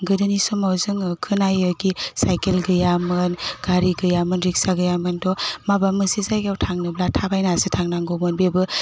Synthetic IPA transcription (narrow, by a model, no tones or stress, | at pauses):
ɡɯdɯnisɔmawzɯŋkʰɯnajɯɡisajkelɡɯjamɯnɡ̥aɾiɡɯjamɯnɾik̚saɡɯjamɯntɔmabamɯsizajɡawtʰaŋnɯblatʰabajnasɯtʰaŋnaŋɡomɯnbebɯ